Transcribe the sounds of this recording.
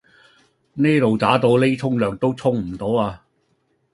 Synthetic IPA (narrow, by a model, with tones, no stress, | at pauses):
ne˥t̪o˨wt̪aː˨˥t̪o˧wle˥t͡sʰʊ˥ŋlœː˨ŋt̪o˥wt͡sʰʊ˥ŋm̩˨˩t̪o˨˥waː˧